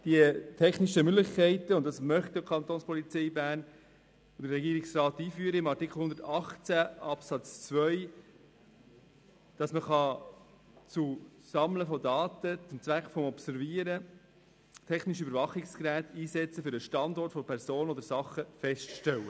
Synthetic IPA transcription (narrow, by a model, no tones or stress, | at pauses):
d̥iətʰɛχniʃəmʏɡlɪχkæɪtəʊnt̚d̥ɑsmœχt̚ɪkʰɑnt̪oːnspɔlit͡sɛɪbæːn | od̥əɾrɛɡiːəɾɪksrɑːtːiːfyːəɾəɪmɑɾtikχl̩hʊnd̪əɾtɑχt͡sæʔɑpsɑt͡st͡svœʏ | d̥ɑsməχɑ | t͡susɑmləfɔdɑːtət͡sʊmt͡svʋækχfɔmɔpsɛɾviəɾə | tʰɛχniʃybəɾvɑχɪkskɾæːtiːsɛt͡səfʏɾəʃtɑndɔrtfɔpʰɛɾsoːnənod̪əɾsɑχəfɛstʃtɛlːə